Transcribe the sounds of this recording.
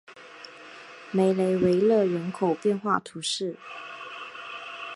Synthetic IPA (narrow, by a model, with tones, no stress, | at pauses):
me˨˩ɪle˧˥ɪwe˧˥ɪlɤ˥˨ɻə˧˥nkʰo˨˩ʊpjɛ˥˧nxwa˥˩t̪ʰu˧˥˦ʂɻ̩˥˩